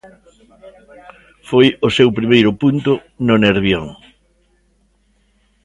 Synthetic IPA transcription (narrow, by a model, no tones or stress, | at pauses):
fojʊsewpɾimejɾʊpunt̪ʊ | nʊneɾβjoŋ